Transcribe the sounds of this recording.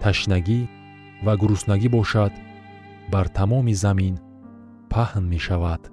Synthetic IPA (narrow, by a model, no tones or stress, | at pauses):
t̪ʰaʃnaɡi | vaɡuɾusnaɡibɔʃad̪ | baɾt̪ʰamɔmizamin | pʰahnme̞ʃavad̪̥